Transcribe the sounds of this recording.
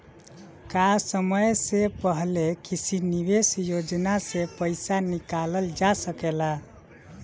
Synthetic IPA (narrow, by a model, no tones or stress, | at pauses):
kasəməjsepəɦlekisʰiniβesjod͡ʒnasepəjsanikaləld͡ʒasəkela